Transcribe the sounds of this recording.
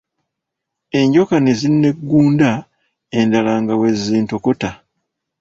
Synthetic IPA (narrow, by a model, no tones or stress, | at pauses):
e̞ɲɟo̞kanezinːe̞ɡːuːnda | e̞ndalaːŋɡawe̞ziːnto̞ko̞ta